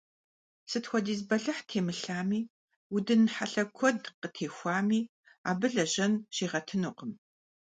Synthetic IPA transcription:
sɨtxʷɔdiːzbɐɮɐħtʰeːmɨɬaːmiː | wʊdɨnħaɬɐkʷʰɔdqətʰeːxʷɑːmiː | a̰ːbɨɮɐʑɐnɕiːʁɐtʰɨnuːqəm

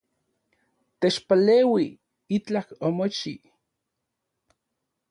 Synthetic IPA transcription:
t̪et͡ʃpaleːwi | it͡ɬakomot͡ʃi

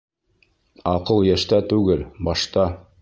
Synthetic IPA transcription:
ɑqɤlˠjæʃt̪æt̪ʉɡɘlbɑʃt̪ɑ

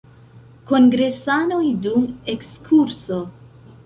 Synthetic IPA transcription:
ko̞ŋɡɾe̞sanojdumekskʰuɾso̞

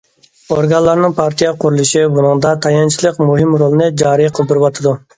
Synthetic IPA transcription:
oɾɡɑnlˠɑɾnɨŋpʰɑɾt̪ʰijɑqʰʊɾulˠuʃibunɨŋd̪ɑt̪ʰɑjɑnt͡ʃʰilˠəqmuɦɪmɾolˠɨnɨd͡ʒɑːɾɨjqʰəlˠbɪɾɨwɑt̪ʰɨd̪u

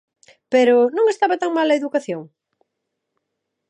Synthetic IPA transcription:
peɾʊnõŋest̪aβɐt̪aŋmalɐeðukaθjoŋ

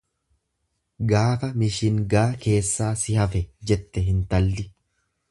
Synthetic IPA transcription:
ɡaːfɐmɪʃɪŋɡaːke̞ːsːaːsɪhɐfɛd͡ʒɛt̪ːɛɦɪnt̪ɐlːɪ

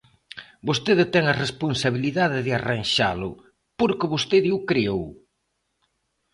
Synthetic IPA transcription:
bost̪eðɪt̪ɛŋɐresponsaβiliðaðɪðɪaranʃa̰lʊ̰ | poɾkɪβost̪eðɪʊkɾiow

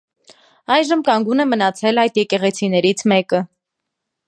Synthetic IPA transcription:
ɑjʒəmkɑŋɡunɛmənɑt͡sʰɛlɑjd̪jɛkɛʁɛt͡sʰinɛɾit͡sʰmɛkə

